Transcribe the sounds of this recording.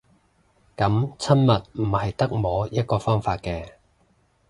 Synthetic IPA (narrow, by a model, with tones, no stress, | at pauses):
kɐ˨˥mt͡sʰɐ˥nmɐ˨t̚m̩˨˩hɐ˨jt̪ɐ˥k̚mɔː˨˥jɐ˥t̚kɔː˧fɔː˥ŋfaː˧t̚kɛː˧